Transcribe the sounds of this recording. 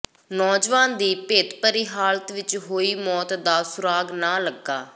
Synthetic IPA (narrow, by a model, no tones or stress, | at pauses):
nɔːd͡ʒʋãːnd̪iːpeːt̪pəɾiɦaːlət̪ʋɪt͡ʃɦoːiːmɔːt̪d̪aːsʊɾaːɡnaːləɡa̰ː